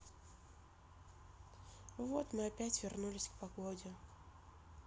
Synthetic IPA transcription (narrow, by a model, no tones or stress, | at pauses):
vo̞t̪mɨɐpʲætʲvʲɪrnulʲɪsʲkpɐɡodʲɪ